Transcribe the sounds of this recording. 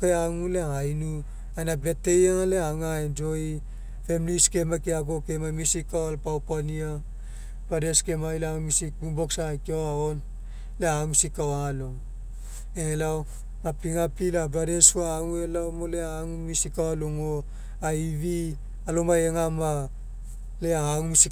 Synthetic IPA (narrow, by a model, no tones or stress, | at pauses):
keaŋuleaajnu | ajnabe̞tejeŋaleaŋaend͡ʒoi | femliskemakeaɡokemamisikawalpawpania | badeskemailaŋumisibuboksakioaon | leaŋusikawaaloŋ | elaw | apiŋapilabaɾesuaːŋuelawmoleaŋumisikawaloŋo | aiβi | alomaeŋama | leaːŋumisi